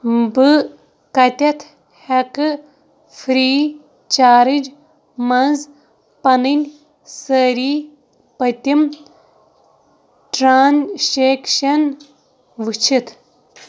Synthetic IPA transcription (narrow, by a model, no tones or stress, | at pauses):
bɨ | kɐt̪ʲɐt̪ʰ | hɐkɨ | fʰɾiː | t͡ʃaːɾɨd͡ʒ | mɐnz | pɐnɨnʲ | səɾiː | pɐt̪ʲim | ʈɾaːnʃeːkʃɐn | ʋɨt͡ʃʰit̪ʰ